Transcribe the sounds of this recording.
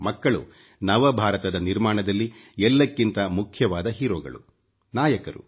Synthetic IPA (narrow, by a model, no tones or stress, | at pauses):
mɐkːɐɭṵ | nɐʋɐbʱaːɾɐt̪ɐd̪ɐniɾmaːɳɐd̪ɐlːiɛlːɐkːint̪ɐmukʰjɐʋaːd̪ɐɦiːɾoːɡɐ̰ɭṵ | naːjɐkɐɾṵ